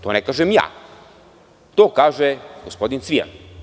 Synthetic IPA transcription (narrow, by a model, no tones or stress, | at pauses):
t̪onɛkaʒɛmja̰ | t̪okaʒɛɡospɔd̪int̪svija̰n